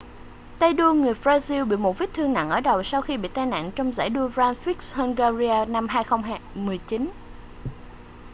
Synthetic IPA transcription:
t̪ə˧jɗu˧əŋɨ˨˩əjfɾaː˧zi˧wɓḭ˧˨mo˨˩t̚vi˦˥t̚t̪ʰɨ˧əŋna̰˧˨nʔəː˧˩ɗə˨˩wsa˧wxi˧ɓḭ˧˨t̪a˧na̰ː˧˨nt͡ɕɔ˧wŋ͡mza̰ː˧˩jɗu˧əvaː˧nfi˦˥k̚sha˧ŋɡa˧zi˧aː˧na˧mɦaː˧jxə˧wŋ͡mɦaː˧mɨ˨˩əjt͡ɕi˨˦n

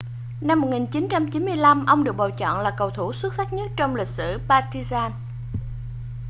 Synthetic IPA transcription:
na˧mːo˨˩k̚ŋi˨˩nt͡ɕi˨˦nt͡ɕa˧mt͡ɕi˨˦nmɨ˧əjla˧mʔə˧wŋ͡mɗɨ˨˩ək̚ɓa˨˩wt͡ɕɔ̰˧˨nlaː˨˩kə˨˩wt̪ʰu˧˩swə˦˥t̚sa˦˥k̚ɲə˦˥t̚t͡ɕɔ˧wŋ͡mlï˨˩k̟̚sɨ̰˧˩˨paː˧t̪i˧zaː˧n

